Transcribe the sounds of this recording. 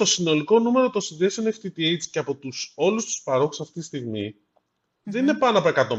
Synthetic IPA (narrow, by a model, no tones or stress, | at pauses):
o̞sino̞liko̞nume̞ɾot̪osinðiesioneft̪it̪iejt͡sceɐpo̞t̪uso̞lust̪u̥spɐɾo̞xu̥sɐft̪it̪ist̪iɣmḭ | ðe̞nine̞pɐnoɐpo̞e̞kɐt̪o̞